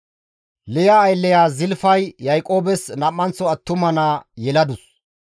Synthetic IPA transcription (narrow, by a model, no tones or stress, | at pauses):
lɛjɐːjlːɛjaːzɪlfɐjːɐjkʼo̞ːbɛsnɐmːɐnt͡sːɔɐt̪ːʊmɐnaːjɛlɐd̪ʊs